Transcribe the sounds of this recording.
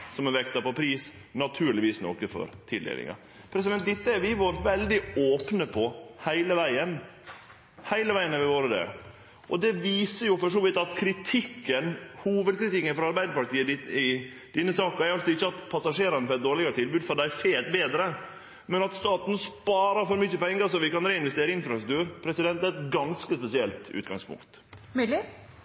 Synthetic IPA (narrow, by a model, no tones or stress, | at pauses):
sɔmɛʋɛkt̪ɑpɔpʰɾiːs | nɑt̪ʰʉːɾɭɪʋiːsno̰ːkəfɔ̰ɾt̪ʰɪld̪ḛlɪ̰ŋɑ̰ | pʰɾɛs̬ɪd̪ɛnt̪d̪ɪt̪ːəæɾʋɪʋoːɾʋɛld̪ɪoːpnəpʰɔhæɪləʋæɪən | hæɪləʋæɪənəʋɪʋoːɾəd̪ḛː | ʔɔd̪ɛʋiːsəjʊfɔʂoːlɪt̪ɑt̪kʰɾɪt̪ʰɪkːənhuːʋəd̪̚kʰɾɪt̪ɪkːənfɾɔɑɾbæɪd̪əɾpɑʈt̪iːəɪ | d̪̥ɪnːəsɑːkɑæɪɾɑlsɔɪçːəɑt̪pʰɑsɑʂeːɾɑnəpɔɾɛt̪̚d̪oːɾɭɪɡɑɾət̪ʰɪlbʉːd̪fɔd̪æɪfeːt̪beːd̪ɾə | mɛnɑt̪st̪ɑːt̪n̩spɑːɾɑɾfɔɾmʏçːəpɛŋːəsɔʋɪkɑnɾeːɪnʋɛst̪eːɾəɪnfɾɑst̪ɾʉkt̪ʰʉːɾpʰɾɛsɪd̪ɛnt̪æɛt̪ɡɑnskəspɛsɪɛlt̪ʉ̰ːt̪ɡɑ̰ŋspʊ̰ŋkt̪ | mɪ